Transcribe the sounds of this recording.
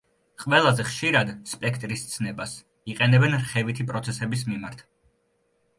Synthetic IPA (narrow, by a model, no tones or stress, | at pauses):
qʼvɛlˠazɛχʃiɾad̪spʼɛkʰt̪ʼɾist̪sʰnɛbas | iqʼɛnɛbɛnɾχɛvit̪ʰipʼɾɔt̪sʰɛsɛbis̬mimaɾt̪ʰ